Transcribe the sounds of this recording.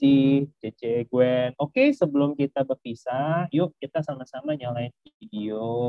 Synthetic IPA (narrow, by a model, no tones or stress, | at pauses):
ihd͡ʒed͡ʒeɡuɛnokesəbəlʊmkit̪abərpisajʊʔkit̪asamasamaɲalaɪnfifideo